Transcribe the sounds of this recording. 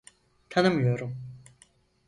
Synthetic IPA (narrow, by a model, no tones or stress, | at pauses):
t̪ʰanɯmjøɾum